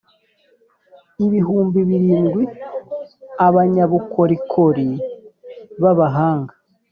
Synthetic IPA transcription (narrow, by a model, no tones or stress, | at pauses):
iβiɦuːmbiβiɾiːnɡwi | aβaɲaβukʰo̞ɾikʰoɾi | βaβaɦaːŋɡa